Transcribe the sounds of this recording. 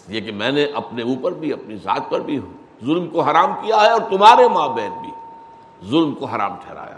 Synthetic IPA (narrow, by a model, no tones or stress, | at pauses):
ekemɛ̃ːneʔɐpneuːpɐɾbʱiɐpniza̰ːt̪̚pɐɾbʱi | zʊlmkoɦɐɾaːmkijaɦɛɔːɾt̪ʊmɦaːɾemãːbɛːt̪̚bʱi | zʊlmkoɦɐɾa̰ːmʈʰɛːɾa̰ːja̰ː